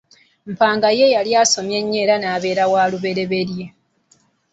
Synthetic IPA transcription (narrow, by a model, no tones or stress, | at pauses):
m̩paːŋɡaje̞jaljaːso̞mje̞ɲːeːɾanaːβe̞ːɾawaːluβe̞ɾe̞βe̞ɾje̞